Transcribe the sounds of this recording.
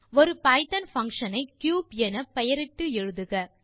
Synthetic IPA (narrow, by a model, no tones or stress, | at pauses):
ɔɾɯpɐɪt̪ɐnfɐŋkʂɐnɐɪkjuːbɛnɐpɐjɐɾɪʈːɯɛɻɯðɯɣɐ